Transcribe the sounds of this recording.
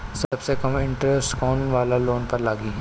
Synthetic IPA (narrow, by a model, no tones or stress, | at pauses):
sɐbsekɐmɪ̃ɳʈɾɛsʈkɔːnʋaːlaloːnpɐɾlaːɡiɦɛ